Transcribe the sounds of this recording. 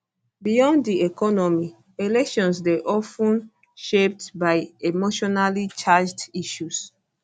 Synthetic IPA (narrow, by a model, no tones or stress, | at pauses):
bijɔ̃ndiekɔnɔmi | elɛkʃɔ̃nsdɛʔɔfũn | ʃep̚tbaɪemoʃɔnalit͡ʃad͡ʒdiʃus